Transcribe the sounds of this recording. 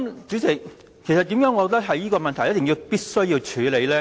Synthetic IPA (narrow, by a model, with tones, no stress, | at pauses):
mt͡sy˨˥tʰɪ˨˩ | kʰe˨˩jsɐt̪̚iː˨˥mjœː˨˥ŋɔː˨˧t̪ɐ˥k̚ɦɐ˨jiː˥kɔː˧mɐ˨nt̪ʰɐ˨˩jɐ˥t̪̚ːɪ˨ŋji˧wpiː˥t̚sɵ˥ɥjiː˧wt͡ʃʰyː˨˧le˨˧jlɛː˥